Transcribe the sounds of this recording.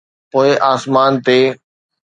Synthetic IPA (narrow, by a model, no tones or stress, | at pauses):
poːɪʔaːsmaːnt̪eː